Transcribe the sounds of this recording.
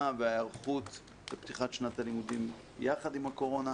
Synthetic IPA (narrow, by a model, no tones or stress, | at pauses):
veaaʁχut̪ | bept̪iχatʃnat̪alimudim | jaχad̪imako̞ʁo̞na